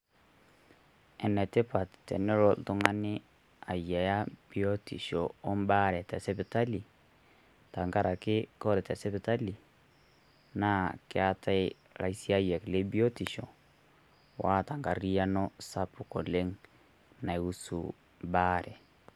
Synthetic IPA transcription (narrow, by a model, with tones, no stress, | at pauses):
ɛ˨nɛ˨tɪ˦pa˨ttɛ̰˨nɛ˦ɾɔ˦ltʊ˦ŋa˦nɪ˦ | a˨jɛ˨ja˦b̥i˦ɔ˦tḭ˨ʃɔ˨ɔ˦mba˦ɾɛ˨tɛ˨sɛ˦pɪ˨ta˦li˨ | ta˨ŋɡa˦ɾa˨kɪ˦kɔ˦ɾɛ˨tɛ˨sɛ˦pɪ˨ta˦li˨ | na˦kɪ˦a˦ta˦ɪ˦ | la̰˨i˦si˦a˦jɛ˨kle˦bi˦ɔ˦ti˨ʃɔ̰˨ | wʔa˦ta˨ŋɡa˨ri˦ja˦nɔ˦sa˦pʊ˨kɔ˨le˦ŋ | na˨u˦sṵ˨ | mba˦ɾɛ˨